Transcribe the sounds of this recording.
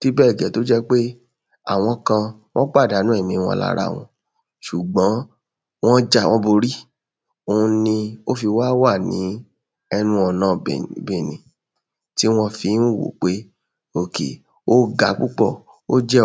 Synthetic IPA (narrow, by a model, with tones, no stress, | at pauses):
ti˦bɛː˦˨ɡɛ˨˦to˨˦d͡ʒɛ˦k͡pe˦ | a̰˨w̃ɔ̃˧kã˧ | w̃ɔ̃˦k͡pa˦˨da˨˦nũ˦˨mĩ˧w̃ɔ̰̃˧la̰˦˧ɾa̰˦˧˨w̃ɔ̃˧ | ʃu˨ɡ͡bɔ̃˨˦ | w̃ɔ̃˦d͡ʒa˦˨w̃ɔ̃˦bo˧ɾi˦ | o˧ũ˧nĩ˧o˦fi˧wa˦wa˦˨nḭ̃˨˦ | ɛ˧nũ˧ɔ˨nãː˨˦˨be˨nḭ̃˨ | ti˦w̃ɔ̃˧fi˧˦n̩˦wo̰˨k͡pe˦ | o˦˨kḛ˨ | o˦ɡa˨˦k͡pu˦k͡pɔ˦˨ | o˦d͡ʒɛ˦